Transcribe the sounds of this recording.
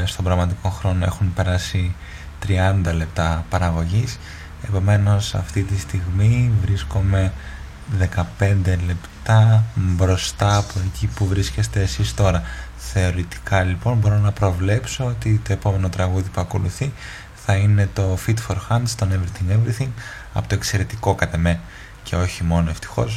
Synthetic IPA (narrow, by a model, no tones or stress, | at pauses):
st̪o̞mbɾɐɣmɐt̪iko̞xɾo̞no̞e̞̰xunpe̞ɾɐsi | t̪ɾiɐnd̪ɐle̞pt̪ɐpɐɾɐɣo̞ʝis | e̞po̞me̞no̞sɐ̰ft̪it̪ist̪iɣmivɾisko̞me̞ | ðe̞kɐpe̞nd̪e̞le̞pt̪ɐbɾo̞st̪ɐːpo̞ecipuvɾisce̞st̪e̞ːsist̪o̞ɾɐ | θe̞o̞ɾit̪i̥kʰɐlipo̞nbo̞ɾo̞nɐpɾo̞vle̞pso̞ot̪it̪o̞e̞po̞me̞no̞t̪ɾɐɣuðipuɐko̞luθi | θɐine̞t̪o̞fit̪foɾxɐnd̪st̪onevɾiθiŋɡevɾiθiŋɡ | ɐ̰pot̪o̞ekse̞ɾe̞t̪iko̞kɐt̪e̞me̞n | cʰe̞o̞çimo̞no̞e̞ft̪i̥xo̞̰s